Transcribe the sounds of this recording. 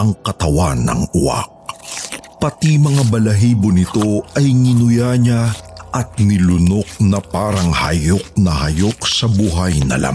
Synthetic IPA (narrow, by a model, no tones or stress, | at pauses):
ʔɐŋkɐt̪ɐwanːɐ̰ŋʊʔa̰k̚ | pɐt̪imɐŋabɐlɐɦiːbonɪt̪o̞ɐjŋɪnʊjaɲaʔɐt̪̚nɪlʊno̞k̚nɐpaːɾɐŋhɐ̰jo̞k̚nɐhɐjo̞k̚sɐbuɦajnɐ̰lʔa̰m